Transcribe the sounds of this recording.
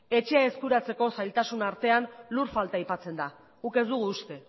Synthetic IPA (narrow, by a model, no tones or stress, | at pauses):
e̞t͡ʃe̞ae̞skuɾat͡se̞ko̞sajlt̪asunaɾt̪e̞anluɾfalt̪aajpat͡se̞nd̪a | uke̞zd̪uɣ̞uːst̪e̞